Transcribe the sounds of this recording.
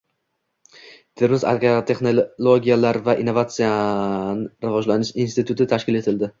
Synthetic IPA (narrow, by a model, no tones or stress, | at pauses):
t̪ʰɪɾmɪza̰ɡt̪ʰe̞χnolˠoɡʲijalaɾvaʔinːo̞vat̪sijanɪɾɪvɒd͡ʒlanɪʃinst̪ɪt̪ʰʊt̪ʰɪt̪ʰaʃkʲɪle̞t̪ʰɪld̪ɪ